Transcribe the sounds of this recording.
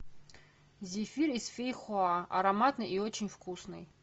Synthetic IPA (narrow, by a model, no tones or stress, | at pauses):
zʲifʲirisfʲejxʊaʔɐ̰ɾɐmat̪nɨjʔiot͡ɕɪnʲfkʰusnɨ̰j